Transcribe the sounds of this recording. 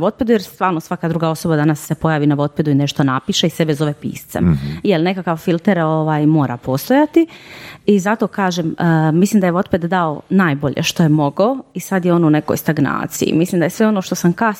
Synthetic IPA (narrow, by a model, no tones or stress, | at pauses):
ʋo̞t̪̚ped̪ujeɾst̪ʋaːɾnosʋakaːd̪ɾuɡao̞so̞bad̪anasːepojaːʋinaʋo̞t̪̚ped̪uineʃt̪onapiːʃeisebezo̞ʋepḭːst̪sḛmjelne̞kakaʋfilˠt̪eɾoʋaːjmo̞ːɾa̰pʰo̞ːst̪ojat̪iizat̪o̞ːkaːʒeməmislimd̪ajeʋo̞t̪pet̪d̪aonaːjbo̞ʎḛʃt̪ojemo̞ɡoisad̪jeo̞nune̞ko̰jst̪aɡna̰ːt̪sḭjḭmislimd̪ajesʋe̞o̞no̞ʃt̪o̞samkas